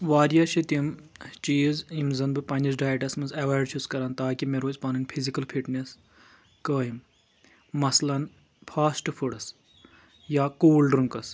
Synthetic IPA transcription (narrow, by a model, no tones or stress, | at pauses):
ʋaːɾjaːʃʰit̪im | t͡ʃiːzimzɐnbɨpɐnʲd͡ʒɐsɖaːjʈɐsmɐnzɐʋaːɖt͡ʃʰuskɐɾaːnt̪aːkimeɾoːt͡ʃpaːnɨnʲpʰizikɐlpʰiʈnes | kəːɦimː | ɐslɐn | pʰaːsʈpʰuɽɐs | jaːkoːlɖɾuŋkɐs